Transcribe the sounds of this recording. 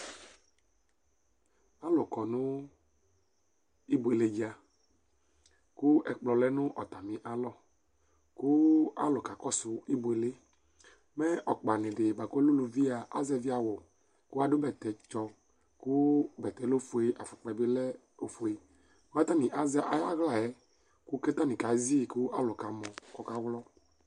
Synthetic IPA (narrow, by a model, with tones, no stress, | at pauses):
a˦lɔ˨kɔ˨nũ˦ | i˦bo˨e˨le˨˦d͡ʒa˦ | ku˦ɛ˨k͡plɔ˨lɛ˦nʊ̃˦ʔɔ˨t̪a˨mĩ˨ʔa˨lɔ˦ | ku˦a̰˦lɔ˨ka˨kɔ˦su˨i˦bo˨e˨le˦ | mɛ˦ʔɔ˨k͡pa˨nẽ˨ɖe˨ba˨ko˦lu˦lu˨vi˦a˨a˦zɛ˦vi˦a˨wɔ˨ | ku˦a˦do˦bɛ˨t̪ɛ˨t͡ʃɔ˧ | kʊ˦bɛ˨t̪ɛ˨lo˦fo˨e˨ʔa˨fu˨k͡pɛ˨be˦lɛ˦ | o˨fo˨e˨˦ | a˦t̪a˦nĩ˨ʔa˦zɛ˦ʔa̰˨ja̰˦ɣla˨jɛ˨˦ | ku˦kɛ˦t̪a˦nĩ˨ka˨˦zi˦˨kʊ˦ʔa˦lɔ˨ka˨mɔ̃˨kɔ˦ka˦wlɔ˦